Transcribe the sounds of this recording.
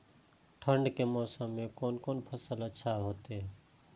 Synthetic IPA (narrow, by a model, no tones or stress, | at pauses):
ʈʰəɳɖkemɔːsãmẽkoːnkoːnpʰəsələtːʃʰaɦoːt̪eɦɛ